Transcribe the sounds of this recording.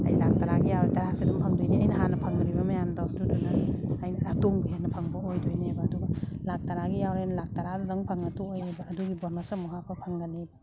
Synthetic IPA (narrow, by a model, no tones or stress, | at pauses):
a̰jlak̚taɾaɡijawɾetaɾasidɐŋpʰɐŋdojniɐjnɐɦanɐpʰɐŋɾibɐmɐjamdawdudunaːjnːtoŋɡɯɦenɐpʰɐŋbɐojdojnebɐːduɡalak̚taɾaɡijawɾejnlak̚taɾadudɐŋpʰɐŋɐtuojebɐːduɡibɔɾnɔsamɔɦapʰapʰɐŋɡanebɐ